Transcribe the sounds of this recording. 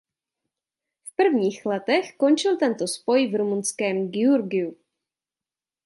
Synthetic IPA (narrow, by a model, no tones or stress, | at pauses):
fpr̩vɲiːxlɛt̪ɛxko̞nt͡ʃɪlt̪ɛnt̪o̞spo̞jvɾomunskɛːmɡɪuɾɡɪu